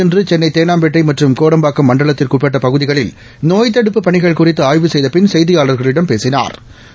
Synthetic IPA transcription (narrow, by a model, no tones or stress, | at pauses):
ɛndrɯt͡ʃɛnːɐɪt̪eːnaːmbɛʈːɐɪmɐʈrɯmkoːɽɐmbaːkːɯmːɐɳɖɐɭɐt̪ːɪlkʊpɛʈ̬ːɐpɐɣɯðɪɣɐɭɪl | noːjt̪̬ːɐɽɯpːɯpɐɳɪɣɐɭkʊrɪt̪ːɯaːjʋɯsɛjðɐpɪnsɛjðɪjaːɭɐɾɣɐɭɪɽɐmpeːsɪna̰ːɾ